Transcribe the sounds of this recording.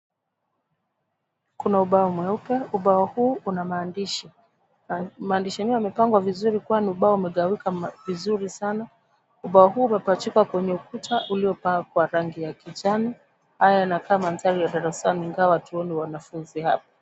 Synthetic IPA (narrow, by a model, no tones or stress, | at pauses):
kunauɓaɔmwɛupɛuɓaɔhuːunamaːndiʃi | maːndiʃaniɔamɛpaŋɡwavizuɾikwaniuɓaɔumɛɠawikavizuɾisana | uɓaɔɦuːmɛpat͡ʃikwakwɛɲɛukutʰaʔuliɔpaŋɡakwaɾaŋɡijakid͡ʒani | hajanakamanzalijaɗaɾasaniiŋɡawatuɔnɛwanafunzihap̚ḁ